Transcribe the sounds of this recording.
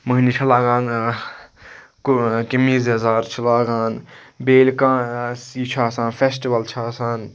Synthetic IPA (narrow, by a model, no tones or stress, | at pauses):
məɦnit͡ʃʰɐlaːɡaːn | kukimiːzezaːɾt͡ʃʰilaːɡaːnbeːlkãːsiːt͡ʃʰaːsãːnfʰesʈiʋɐlt͡ʃʰaːsaːn